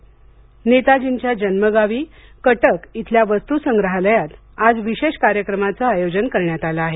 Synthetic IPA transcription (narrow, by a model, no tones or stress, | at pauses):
net̪ad͡ʑiɲt͡ɕjad͡ʑənməɡaʋiːkəʈəkit̪ʰljaʋəst̪usəŋɡɾəɦaləjat̪ | ad͡zʋiɕeɕkaɾjəkɾəmat͡saajod͡ʑənkəɾɳjat̪alaːɦe